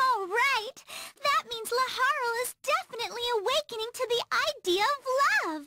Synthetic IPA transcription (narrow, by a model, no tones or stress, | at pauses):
ɔʊlˠɹaɪt̪̚ðɨt̚mĩnzləhɑɹl̩ˠɪzdɛfɨnɨtˡliəweɪkɨ̃nɪ̃ŋtʰɨðiʔaɪdiɨʌvlʌv̥